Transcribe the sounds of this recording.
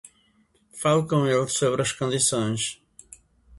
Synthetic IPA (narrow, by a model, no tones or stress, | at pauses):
falˠukõw̃elˠsoβɾɐʃkõnd̪isõj̃ʃ